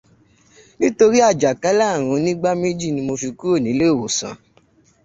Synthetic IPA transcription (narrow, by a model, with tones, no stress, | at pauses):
nĩ˦to˧ɾi˦a˦˨d͡ʒa˨ka˨˦la˦˨ɾ̃ũ˨˧˦nĩ˦ɡ͡ba˦me˦d͡ʒi˦˨nĩ˧mo˧fi˧ku˦o˦˨nĩ˨˦le˦o˦˨wo˨sã̰˨